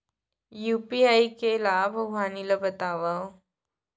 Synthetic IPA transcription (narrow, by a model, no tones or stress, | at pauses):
jupiajkelabʱəɡʋaniləbət̪aʋəw